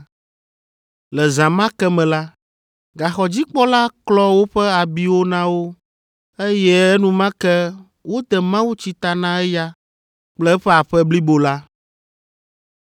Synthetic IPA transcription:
lɛ˨zã˨mã˦kɛ˦mɛ̃˨la˦ | ɡa˨xɔ˨d͡ʑi˦k͡pɔ˦la˦klɔ˦wo˦ɸɛ˦a˨bi˦wo˦nã˦wo˦ | e˦jɛ˦nũ˨˦mã˦kɛ˦ | wo˦t̪ɛ˨mã˦wu˦t͡ɕi˦t̪a˨nã˦ɛ˦ja˦ | k͡plɛ˦ɸɛ˦a˨ɸɛ˦bli˦bo˨la˦

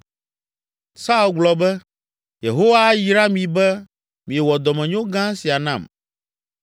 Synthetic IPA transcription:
sa˦u˦lɡ͡blɔ˨bɛ˦ | je˨ɦo˦wa˦ji˨ɾa˦mĩ˨bɛ˦ | mĩ˨ɛ˨wɔ˨d̪ɔ˨mɛ̃˨ɲõ˦ɡã˦si˨a˨nã̰˦˨m

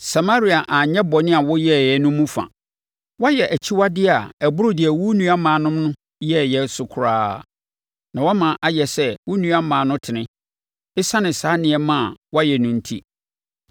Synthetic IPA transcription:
sa˨ma˦ɾi˨a˨ʔã˨ɲɛ̃˦bɔ˨nɪ̃˦a˨wɔ˦jɛ˦˨jɛ˨nʊ̃˦mũ˦fã̰˨ | wɔ˦jɛ˨ʔæ˨t͡ɕʰi˦wa˦dɪ˦a˨æ˨bʊ˦ɾʊ˦dɪ˨ɛ˨wu˦nũ˦a˦mãː˨nʊ̃˦mnʊ̃˦ | jɛ˦˨jɛ˦sʊ˨kʰʊ˨ɾaː˦ | nã˨wɔ˦mã˨ʔa˨jɛ˨sɛ˦wu˦nũ˦a˦mãː˨nʊ̃˦tʰɪ˨nɪ̃˦ | ɪ˦sa˦nɪ̃˨saː˨˦nɪ̃˨ɛ˦mã˦˨wɔ˦jɛ˨nʊ̃˨n̩˦tʰḭ˦

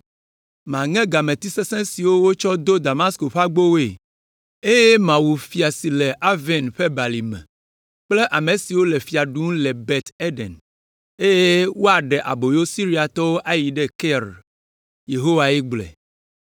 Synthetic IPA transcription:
mã˨ŋɛ̃˦ɡa˨mẽ˨t̪i˦se˦sɛ̃˦si˨wo˦wo˦t͡ʃɔ˦d̪o˦d̪a˨ma˦sko˨ɸa˦ɡ͡bo˦we˨ | e˦je˦mã˨wu˨fi˨a˨si˨le˨ʔa˦vɛ˨nɸe˦ba˨li˨mɛ̰̃˨ | k͡ple˦ʔa˨mẽ˨si˨wo˦le˨fi˨a˨ɖũ˦ŋ˦le˨bɛ˨t̪e˦ɖɛ̰˨n | e˦je˦wo˦a˨ɖɛ˨ʔa̰˨bo˨jo˦si˦ɾi˦a˨t̪ɔ˦wo˦ʔa˦ji˨ɖɛ˦kɛ˦ɾ | je˨ɦo˦wa˨i˦ɡ͡blɛ̰˨

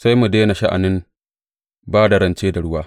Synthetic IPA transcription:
sa˦jmu˨deː˦na˨ʃa˦ʔa̰˨nɪ˦m | baː˦da˨ɾɐ˦nt͡ʃeː˦da˨ɽʊ˦waː˦

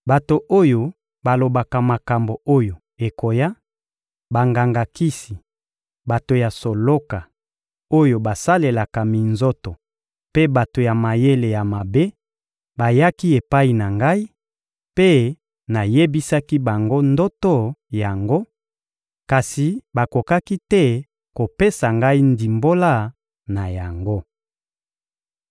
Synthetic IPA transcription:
ba˨to˨ʔo˦jo˨ | ba˨lo˨ba˨ka˨ma˨ka˨mbo˨o˦jo˨ | e˨ko˨ja˦ | ba˨ŋɡa˨ŋɡa˨ki˦si˨ | ba˨to˨ja˨so˨lo˦ka˨ | o˦jo˨ba˨sa˦le˨la˨ka˨mi˨nzo˦to˨ | pe˦ba˨to˨ja˨ma˨je˦le˨ja˨ma˨be˦ | ba˨ja˦ki˦e˨pa˦i˨na˨ŋɡa˦i˦ | pe˦ | na˨je˦bi˦sa˦ki˦ba˨ŋɡo˦ndo˦to˦ja˨ŋɡo˦ | ka˨si˨ba˨ko˨ka˦ki˦tɛ˦ | ko˨pe˦sa˨ŋɡa˦i˦ndi˨mbo˦la˦˨ | na˨ja˨ŋɡo˦

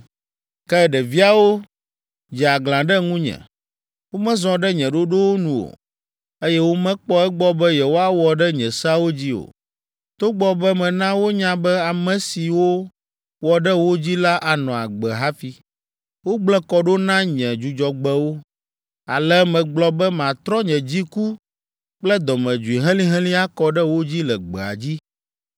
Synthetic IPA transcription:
kɛ˦ɖɛ˨vi˦a˨wo˦ | d͡ʒɛ˨a˨ɡlã˨ɖɛ˦ŋũ˦ɲɛ̰̃˨ | wo˦mɛ̃˦zɔ̃˨ɖɛ˦ɲɛ̃˨ɖo˦ɖo˦wo˦nũ˨o̰˨ | e˦jɛ˦wo˦mɛ̃˦k͡pɔ˦ɛ˦ɡ͡bɔ˦bɛ˦jɛ˨wo˦a˦wɔ˨ɖɛ˦ɲɛ̃˨sa˦wo˦d͡ʑi˦o̰˨ | t̪o˦ɡ͡bɔ˦bɛ˦mɛ̃˨nã˦wo˦ɲã˦bɛ˦a˨mɛ̃˨si˨wo˦ | wɔ˨ɖɛ˦wo˦d͡ʑi˦la˦ʔa˨nɔ̃˨a˨ɡ͡bɛ˨ɦa˦fi˦ | wo˦ɡ͡blɛ˦kɔ˨ɖo˦nã˦ɲɛ̃˨d͡ʒu˨d͡ʒɔ˨ɡ͡bɛ˦wo˦ | a˨lɛ˦mɛ̃˨ɡ͡blɔ˦bɛ˦mã˨t̪ɾɔ˦ɲɛ̃˨d͡ʑi˦ku˦ | k͡plɛ˦d̪ɔ˨mɛ̃˨d͡ʒu˨i˨ɦɛ̃˦lĩ˦ɦɛ̃˦lĩ˦a˦kɔ˨ɖɛ˦wo˦d͡ʑi˦lɛ˨ɡ͡bɛ˨a̰˨d͡ʑi˦

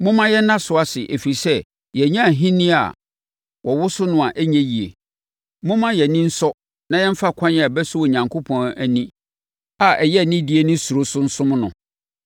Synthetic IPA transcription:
mʊ̃˦mã˦jɛ˦nã˦sʊ˨a˦sɪ˨ʔe˨fi˨sɛ˦ | jɛ˨ɲã˦˨ɦĩ˦nĩ˦a̰˨ | wʔɔ˨wʊ˦sʊ˦nʊ̃˦a˨ʔæ˦ɲæ̃˦ji˨ḛ˨ | mʊ̃˦mã˦jɛ˨nĩ˦n̩˦sɔ˦ | nã˦jɛ̃˦m̩˦fa˦˨kʰʷã˦n˨a˨bɛ˦sʊ˦wɔ˨ɲã˨ŋkʰo˦pʰɔ̃˨næ˨nĩ˦ | a˨ʔɛ˨jɛ˦˨nɪ̃˦di˦e˦nʊ̃˦su˨ɾo˦sʊ˦n̩˦sʊ̃˦m̃˦nʊ̃˨

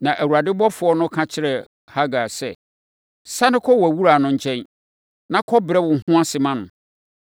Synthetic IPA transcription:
nã˨ʔæ˨wu˨a˨dɪ˦bɔ˦fʊ˨˦ɔ˦nʊ̃˦kʰã˦t͡ɕʰɪ˦ɾɛ˨ | ha˦ɡa˨sɛ˨ | sa˦nɪ̃˦kʰɔ˦wæ˨wu˦ɾa˨nʊ̃˨ɲ̩˨t͡ɕʰɛ̃˦n | nã˦kʰɔ˦bɾɛ˦wʊ̃˨ŋ̩˦ɦʊ̃˦a˦sɪ˨mã˦nʊ̃˨

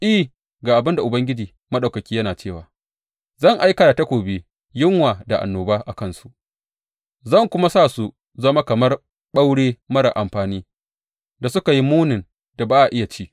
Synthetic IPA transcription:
ʔi˦˨ | ɡaː˨ʔa˨bɪ˦nda˨ʔʊ˨bɐ˦ŋɡʲɪ˦d͡ʒiː˨ | mɐ˦ɗa˨kɐ˨kʲiː˦jɐ˦naː˨t͡ʃeː˦˨waː˨ | zɐ˦˨ŋʔa˦jkɐ˨da˨ta˦kʷoː˨beː˦ | jɪ˦ŋwaː˨da˨ʔa̰˨nːoː˨baː˦ʔa˨kɐ˦nsu˦ʔ | zɐ˦˨ŋkʷʊ˦ma˦saː˦˨su˨ | zɐ˦ma˦kɐ˨mɐ˦r | ɓa˦wɽeː˦mɐ˦ɽa̰˨ʔa˨mɸaː˨niː˦ | da˨sʊ˦ka˨ji˦muː˦nɪ˨n | da˨baː˦ʔa˨ʔɪ˦ja˨t͡ʃiː˦

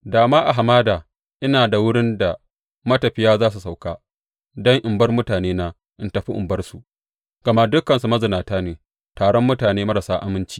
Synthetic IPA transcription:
daː˨maː˦ʔa˨ɦa˨maː˦daː˨ | ʔɪ˦naː˨da˨wʊ˦ɽɪ˦nda˨ | mɐ˦tɐ˨ɸɪ˦jaː˦zaː˦s̬u˨sa˨wkaː˦ | dɐ˦ŋʔɪ˨mbɐ˦rmʊ˦taː˨neː˦naː˦ | ʔɪ˦ntɐ˨ɸi˦ʔɪ̰˨mbɐ˦rsu˨ | ɡ̥ɐ˨ma˦ʔdʊ˦kɐ˨nsu˨mɐ˦zɪ˨naː˨taː˦neː˨ | taː˨ɽɔ˦mːʊ˦taː˨neː˦mɐ˦ɾa˨saː˦ʔa˨mɪ˦nt͡ʃi̥ː˦

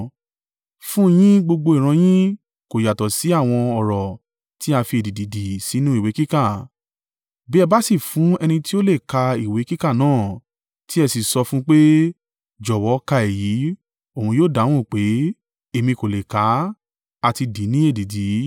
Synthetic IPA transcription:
fũ˦˧j̃ĩ˦ɡ͡bo˧ɡ͡bo˧i˨ɾ̃ã˨˧j̃ĩ˦ | ko˨ja˨tɔ˨si˨˦a˦˨w̃ɔ̃˧ɔ˨ɾɔ˨ | ti˦a˧fi˧e˨di˨di˨di˨si˨˦nũ˦i˦˨we˨˦ki˦ka˦˨ | bi˦ɛ˧ba˦si˦˨fũ˨˦ɛ˧nĩ˧ti˦o˦le˦˨ka˧i˨we˨˦ki˦ka˦˨nãː˦˨ | ti˦ɛ˧si˨sɔ˧fũ˦k͡pe˦ | d͡ʒɔ˨wɔ˨˦ka˧e˨ji˨˦ | o˦˨hũ˧joː˦˨da˨˦w̃ũ˦˨k͡pe˨˦ | e˧mĩ˧ko˨le˨ka˨˦ | a˧ti˧di˨˦nĩ˦e˦˨di˨di˨

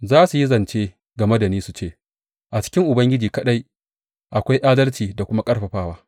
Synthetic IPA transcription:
zaː˦su˨ji˦zɐ˨nt͡ʃeː˦ | ɡɐ˨me˦da˨niː˦su˨t͡ʃeː˦˨ | ʔa˨t͡ʃɪ̥˦kʲɪ˦ŋʔʊ˨bɐ˦ŋɡʲɪ˦d͡ʒiː˨kɐ˦ɗa˦j | ʔa˨kʷa˦jʔaː˦dɐ˦lt͡ʃiː˨da˨kʷʊ˦ma˦kʼɐ˦ɽɸɐ˨ɸaː˦waː˦

